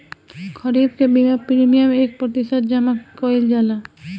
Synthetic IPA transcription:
kʰʌɾib̚kebimapɾimijameːk̚pɾɔt̪iʃət̪̚d͡ʒamakɔild͡ʒala

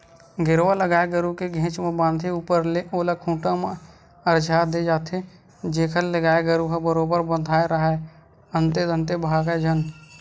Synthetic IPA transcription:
ɡɪɾʋaləɡaːeɡəɾukeɡʱẽːt͡ʃmẽbãːnd̪ʱiuːpəɾleʔoːlakʰũːʈãmẽ | əɾd͡ʒaːd̪ed͡ʒaːt̪ʰe | d͡ʒeːkʰəlləɡaːeɡəɾuɦəbəɾoːbəɾbə̃nd̪ʱaːeɾəɦɛ | ənt̪ed̪ə̃nt̪ebʱaːɡed͡ʒʱən

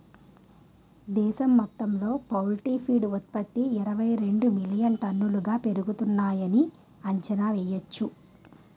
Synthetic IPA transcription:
d̪ɛːʃɐmːɐt̪ːɐmlo̞ːpɐwlʈiːpʰiːɖut̪̚pɐt̪ːiːɾɐʋɐjɾe̞ɳɖumilijɐnʈɐnːuluɡaːpe̞ɾuɡut̪unːaːjɐni | ɐɲt͡ʃɐnaːʋɛːjɐt͡ʃːu

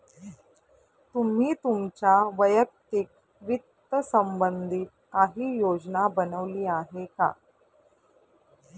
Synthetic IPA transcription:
t̪um̤iːt̪umt͡ɕaʋəjək̚t̪ik̚ | ʋit̪ːəsəmbənd̪ʱit̪̚kaɦiːjod͡znabənəʋliːaɦeka̰

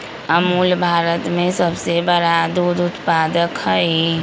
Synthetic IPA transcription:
əmulbʱaɾət̪mẽsəbsebəɽad̪ud̪ʊt̪pad̪əkɦəe

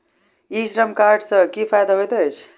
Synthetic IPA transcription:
isɾəmkaɾɖsʌ̃kipʰajd̪aɦojt̪əjt͡ʃʰ

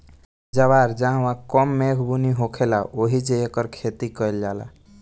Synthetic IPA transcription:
d͡ʒəβaɾd͡ʒãʋãkɔmːeɡʱbuniɦokʰelaʔoɦid͡ʒejekəɾkʰet̪ikəeld͡ʒala̰

